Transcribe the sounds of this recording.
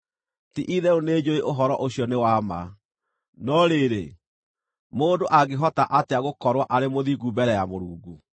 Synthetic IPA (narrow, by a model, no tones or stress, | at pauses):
tiʔiðɛoneːd͡ʑoeʔoɦɔɾɔʔoɕjɔnewama̰ | nɔɾeɾḛ | moːdoʔaɡeɦɔtaʔateaɣokɔɾwaʔaɾemoðiɡubɛɾɛjamoɾuːɡu